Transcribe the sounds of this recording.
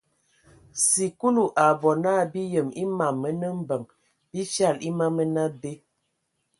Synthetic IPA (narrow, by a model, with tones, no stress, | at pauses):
si˨ku˦lu˨ʔa˨bɔ˨naː˦˨bi˦jə˨mi˦ma˨mːə˦nə˦m̩˦bə˨ŋ | b̥i˦t͡ʃa˦˨li˦ma˦mə˦na˦be˦